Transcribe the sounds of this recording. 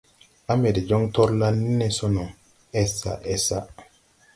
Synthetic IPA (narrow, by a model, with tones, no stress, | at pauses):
a˦me˨de˨d͡ʒo˦ŋtɔ˦ɾla˦lni˦ne˦so˦no˨ | ɛ˦sa̰˨ʔɛ˦sa˦